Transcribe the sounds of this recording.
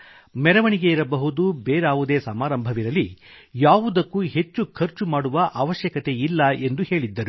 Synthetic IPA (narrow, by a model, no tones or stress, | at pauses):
mɛɾɐʋɐɳiɡe̞iɾɐbɐɦud̪ubeːɾaːʋud̪e̞ːsɐmaːɾɐmbʱɐʋiɾɐlːijaːʋud̪ɐkːuɦe̞t͡ʃːukʰɐɾt͡ʃumaːɽuʋɐʔaːʋɐʃjɐkɐt̪e̞ilːɐe̞nd̪uhe̞ːɭid̪ːɐɾu